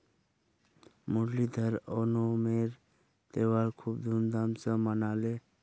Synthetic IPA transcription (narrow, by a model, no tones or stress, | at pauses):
mʊɖlid̪ʱəɾɔːnomeːɾ | t̪eːwaːlkʰuːb̚d̪ʱund̪amsəmənaːleː